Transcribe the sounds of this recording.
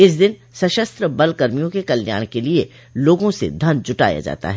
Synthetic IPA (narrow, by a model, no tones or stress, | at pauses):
ɪs̬d̪ɪn | sɐʃəst̪ɾəbɐlkɐɾmijõkekɐlja̰ːɽ̃kelie | loːɡõsḛd̪ʱɐnd͡ʒʊʈa̰ːja̰d͡ʒa̰ːt̪a̰ɦɛː